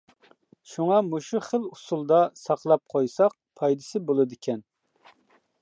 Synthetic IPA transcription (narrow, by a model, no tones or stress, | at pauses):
ʃuŋɑmuʃuχəlˠusulˠd̪ɑsɑqlˠɑp̚qʰojsɑq̚pʰɑjd̪ɨsɪbolˠɨd̪ɪkʲʰɛn